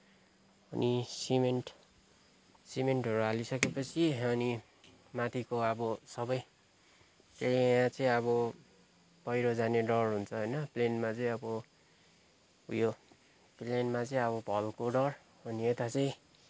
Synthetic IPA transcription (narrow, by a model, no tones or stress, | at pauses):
ʌnisimeɳʈ | simeɳʈɦʌɾualisʌkepʌt͡sʰiʌni | mat̪ʰikoʌbʌsʌbʌj | keãt͡sʌĩʌbʌ | pʌjɾod͡zaneɖʌrɦunt͡sʰʌɦʌjnʌplenmat͡sʌĩʌbʌ | ujo | plenmat͡sʌĩʌβʌbʱʌlkoɖʌr | ʌniet̪at͡sʌĩ